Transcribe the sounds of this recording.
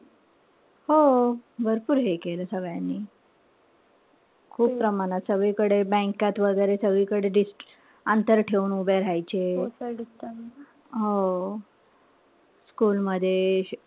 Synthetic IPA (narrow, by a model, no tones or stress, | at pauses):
hobʱəɾpuːɾɦekeləːsəɡɭjanːiː | kʰuːpːpɾəmañat̪səɡɭiːkəɽebə̃ŋkat̪ʋəɡəjɾesəɡɭikəɽeɖisʈ | ənt̪əɾʈʰeuːnubeɾajt͡ɕe | ɦo | skuːlməd̪ʱːje